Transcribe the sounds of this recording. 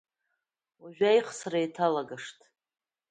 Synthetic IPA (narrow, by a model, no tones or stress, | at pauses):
aʒᶣʷajχʰsarajtʰalaɡaʂtʼʰ